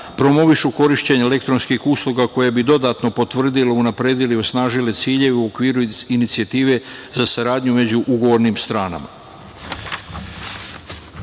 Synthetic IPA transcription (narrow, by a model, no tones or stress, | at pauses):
pɾo̞mo̞ʋiʃuko̞ɾiʃt͡ɕe̞ɲele̞k̚t̪ɾo̞nskixuːslˠuɡako̞jebid̪o̞d̪at̪no̞po̞t̪ʋr̩d̪ileunapɾe̞ːd̪ilio̞snaːʒile̞t̪siːʎe̞ʋeuo̞kʋiːɾuinit̪siat̪iːʋe̞zasaɾaːd̪ɲume̞d͡ʑuʔuɡo̞ʋo̞ɾnimst̪ɾaːna̰ma̰